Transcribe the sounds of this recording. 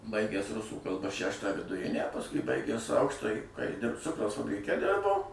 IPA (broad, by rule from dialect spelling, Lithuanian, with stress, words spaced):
ˈbɐɪɡʲæːs ˈrʊsuː kɐlˠˈbɐ ˈʃʲæʃtɑː ʋʲɪdʊˈrʲɪnʲæː pɐsˈkʊɪ ˈbɐɪɡʲæːs ˈɐʊkʃtɑːjiː kɑː jɪ ˈdʲɪrp ˈt͡sʊkrɐʊs fɐbʲrʲɪˈkʲɛ ˈdʲɪrboː